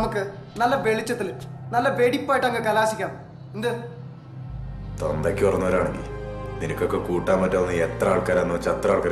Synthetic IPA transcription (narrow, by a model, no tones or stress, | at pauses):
nɐmukːɨnɐlːɐʋe̞ɭit͡ɕːɐt̪ːilnɐlːɐʋeɽipːaːjiʈːɐŋkɨkɐlaːsikʲːaːɳ | end̪ɨ | t̪ond̪ɐkʲːɨpɐrɐnːɐʋɐɾaːɳeŋɡilninɐkʲːo̞kːekuːʈːaːnmɐtːɐmɐnːɨet̪raːɭkaːɾanːuʋɐt͡ɕːɐt̪ːraːɭkaːɾ